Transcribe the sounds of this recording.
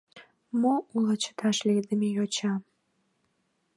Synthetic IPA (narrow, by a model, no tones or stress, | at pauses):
moulət͡ɕə̥t̪ʰɑʃled̪əmejot͡ɕɑm